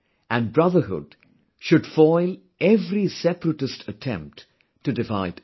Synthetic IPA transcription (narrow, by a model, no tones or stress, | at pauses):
æ̃nbɾʌðə˞ɦʊ̰d̥ | ʃʊɖ̥fɔɪl | ɛvɾisɛpɾəʈɨstʰətʰɛ̃mp̚t | tʰːɨdɪva̰ɪd